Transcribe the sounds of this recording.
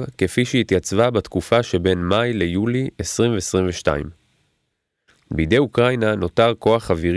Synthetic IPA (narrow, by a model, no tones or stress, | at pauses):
vkefiʃehit̪jat͡svabat̪kufaʃe̞be̞nmajle̞juliesʁimveːsʁimveʃta̰ḭm | bejdejukʁajnano̞taʁko̞aχaviʁ